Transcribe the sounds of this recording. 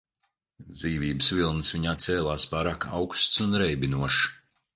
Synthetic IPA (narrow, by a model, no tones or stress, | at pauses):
d̪ziːviːbɨsvʲilˠnɨsviɲaːt̪sɛːlˠaːspaːɾaːka̰wkst̪sunɾɛjbinuɔʃ